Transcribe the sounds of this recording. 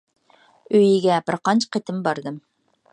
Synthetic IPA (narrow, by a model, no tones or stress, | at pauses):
øjɪɡʲɛbɪɾqɑnt͡ʃʰqʰet̪ʰɪmbɑɾd̪ɨm